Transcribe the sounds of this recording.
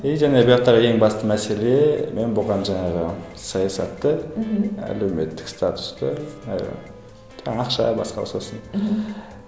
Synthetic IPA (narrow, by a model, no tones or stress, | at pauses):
ejʒæne̞bəjɑqt̪ɑʁəje̞ŋbɑst̪əmæse̞le̞me̞nbʊʁɑnʒɑɴɑʁəsɑjɑsɑ̰t̪ːə | æ̰le̞wme̞t̪ːɪ̥kst̪ʰat̪ʊ̥st̪ə̰ | tɑqʃɑ̰bɑ̰sqɑlˠsɑsən